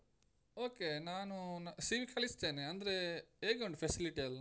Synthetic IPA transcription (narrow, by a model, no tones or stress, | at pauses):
oːkenaːnunsiʋikʰɐlist̪eːneɐnd̪ɐɾeeːɡoɳɖupʰesiliʈiɐlːa